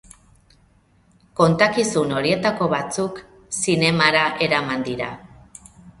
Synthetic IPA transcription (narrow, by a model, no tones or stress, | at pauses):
ko̞nt̪akisuno̞ɾie̞t̪ako̞βat͡suk | sine̞maɾaʔe̞ɾamand̪iɾa